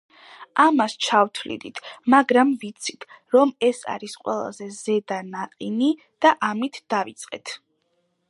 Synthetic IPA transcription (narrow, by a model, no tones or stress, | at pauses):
amast͡ʃʰavt̪ʰvlḭd̪it̪ʰmaɡɾamvit̪sʰi̥t̪ʰ | ɾɔmɛsa̰ɾisqʼwɛ̰lˠa̰zɛzɛd̪anaqʼini | d̪̥aʔamit̪ʰd̪̥avit̪sʼqʼɛ̰t̪ʰ